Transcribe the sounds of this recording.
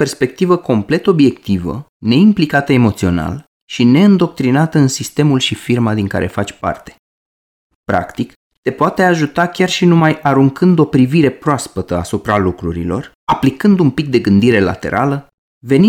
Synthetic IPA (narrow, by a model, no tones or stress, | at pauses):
pe̞rspe̞k̚t̪ivəko̞mple̞t̪o̞bje̞kt̪ivə̰ | ne̞implikat̪əe̞mo̞t̪sio̞̰na̰l | ʃine̞ɨnd̪o̞k̚t̪ɾinat̪əɨnsist̪e̞mulʃifirmad̪iŋka̰ɾʔe̞̰fat͡ʃʲpa̰rt̪e̥ | pɾa̰kt̪ik | t̪e̞poat̪e̞aʒut̪akʲarʃinumajaɾuŋkʰɨnd̪o̞pɾiviɾe̞pɾoaspət̪əa̰supɾalukɾuɾḭlo̞̰r | aplikɨnd̪umpik̚d̪e̞ɡɨnd̪iɾe̞la̰t̪e̞̰ɾa̰lə | ve̞ni